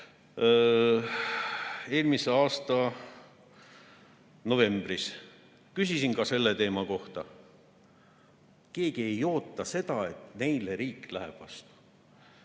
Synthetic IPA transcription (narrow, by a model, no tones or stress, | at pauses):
e̞ːlmise̞ɑːst̪ɑ | no̞ve̞mb̥ris | kysisinkɑse̞lːe̞t̪e̞ːmɑko̞ht̪ɑ | ke̞ːɡ̥ie̞jo̞ːt̪ˑːɑse̞d̪̥ɑe̞t̪ne̞jleɾiːkːlæɦḛb̥ɑ̰st̪u̥